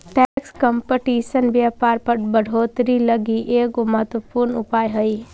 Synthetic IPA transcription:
ʈɛːkskəmpəʈiːʃənbjaːpaːɾpəɾbəɽ̤ʱoːt̪ɾiləɡiʔeːkoməɦət̪wəpuɾnʊpaːjɦəi

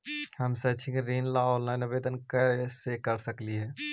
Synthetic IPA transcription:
həmset͡ʃʰĩkɾinlaolnanəbed̪ənkəsekəɾsəkliɦɛː

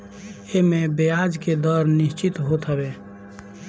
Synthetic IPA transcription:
emẽbejaːd͡ʒked̪ɔːɾnɪʃt͡ʃɪt̪ɦot̪ɦəbeː

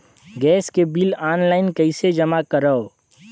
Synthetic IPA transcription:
ɡɛːskebilaːnlaːɪnkəɪsed͡ʒəmakəɾəo

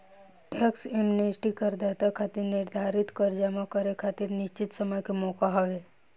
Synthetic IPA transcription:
ʈʰeksemnesʈikəɾd̪at̪akʰat̪iɾnɪɾd̪ʱaɾit̪kəɾd͡ʒamakəɾekʰat̪iɾniʃt͡ʃit̪səməjkemokaɦɔʋe

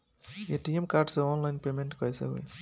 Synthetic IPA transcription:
eʈiemkaɾɖsẽɔnlaɪnpemẽɳʈkɔjsḛɦo̰j

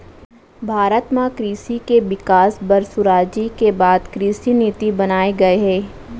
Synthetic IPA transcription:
bʱaːɾət̪mãkɾiːsikeʋɪkaːsbɐɾsʊɾaːd͡ʒikebaːd̪kɾiːsiniːt̪ibɐnaːeɡɐeɦɛː

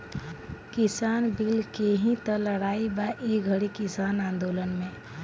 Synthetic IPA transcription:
kɪsaːnbilkeɦĩt̪ələɽaːibaʔiɡʱəɽikɪsaːnãːnd̪oːlənmẽ

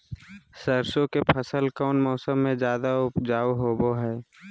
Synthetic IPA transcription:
səɾsõkepʰəsəlkɔːnmɔːsəmːẽd͡ʒjaːd̪aʊpd͡ʒaːuɦoːboɦɛː

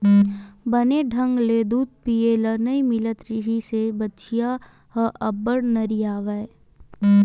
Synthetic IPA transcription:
bɐneɖʱɐ̃ŋɡleːd̪uːd̪̚pielənɐimɪlət̪ɾɪɦisebɐtːʃija | hɐʔɐbəɽnɐɾijaːʋəe

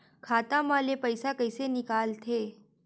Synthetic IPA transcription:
kʰat̪ãmalepəjsakəjsenikalt̪ʰe

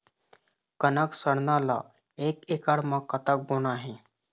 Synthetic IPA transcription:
kənəksəɽnaːla̰ː | eːkeːkaɽmãːkət̪ək̚ɡoːnaːɦɛ̃ː

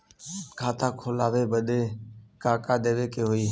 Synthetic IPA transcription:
kʰaːt̪ʰaːkʰoːlaːʋeːbəɗ̪eːkaːkaːɗ̪eːʋeːkeːɦoːiː

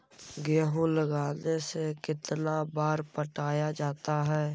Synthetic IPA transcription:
ɡeːɦũləɡaːnesekɪt̪nabaːɾpəʈaːjad͡ʒaːt̪aɦɛː

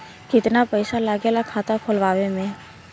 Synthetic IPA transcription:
kɪt̪napəɪsalaːɡelakʰaːt̪akʰʊlʋaːʋemẽ

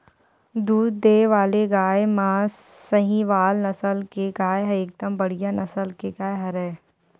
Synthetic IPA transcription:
d̪uːd̪ːeːʋaːleɡaːjmãːsəɦĩʋaːlnɐsəlkeɡaːeɦɐɾeːk̚d̪əmbɐɽijanɐsəlkeɡaːjɦɐɾɛː

